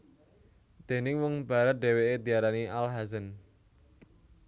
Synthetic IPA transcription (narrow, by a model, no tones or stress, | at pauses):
d̪̥e̤nɪŋwɔŋb̥a̤ɾət̪̚ɖ̪̥e̤weed̪̥i̤aɾaniʔalɦazən